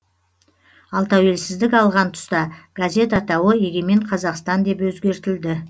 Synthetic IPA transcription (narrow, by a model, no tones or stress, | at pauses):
ɑlˠt̪ʰæwe̞lsɪzd̪ɪkɑlˠʁɑnt̪ʰʊ̥st̪ɑɡ̥azʲe̞t̪ɑt̪ɑwəjeɡʲe̞me̞ɴqʰɑzɑqst̪ɑnd̪e̞pwɵzɡʲe̞ɾt̪ɪld̪ɪ